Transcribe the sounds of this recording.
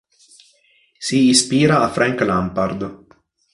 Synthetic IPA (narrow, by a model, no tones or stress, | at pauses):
siːspiːɾaːfɾaŋklampaɾd̪